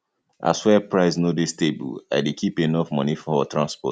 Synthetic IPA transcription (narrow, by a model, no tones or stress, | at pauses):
ʔa̰swɛpɹaɪsnodɪstebṵa̰ɪdekʰipenɔfmɔ̃nifɔ̃ɔtɹãnspɔ̰t